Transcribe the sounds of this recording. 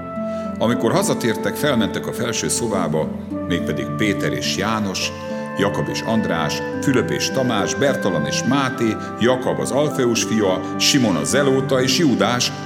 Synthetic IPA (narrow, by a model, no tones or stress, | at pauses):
ɒmiko̞rɦɒzɒt̪eːrt̪ɛkfɛlmɛnt̪ɛkɒfɛlʃøːsova̰ːbɒ | meːk̚pɛd̪ḭɡ̚peːt̪ɛɾḛːʃjaːno̞ʃ | jɒkobḛːʃɒnd̪ra̰ːʃ | fyløpḛːʃt̪ɒmaːʒbɛrt̪olonḛːʃmaːt̪eː | jɒkobɒ̰zɒlfɛuʃfijɒ | ʃimo̞nɒ̰zɛloːt̪ɒeːʃjuːd̪aːʃ